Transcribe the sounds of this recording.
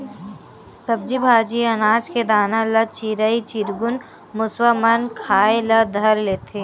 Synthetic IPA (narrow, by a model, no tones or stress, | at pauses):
sɐb̚d͡ʒibʱaːd͡ʒiɐnaːd͡ʒked̪aːnãlɐt͡ʃiɾəit͡ʃiɾɡʊn | mʊswamɐnkʰaːelɐd̪ʱɐɾleːt̪ʰeː